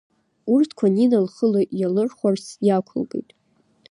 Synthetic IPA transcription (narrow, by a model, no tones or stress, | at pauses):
urtʰkʷʰaninalχəloʔjalɨrχʷarsjakʷʰʊ̰lɡḛjtʼ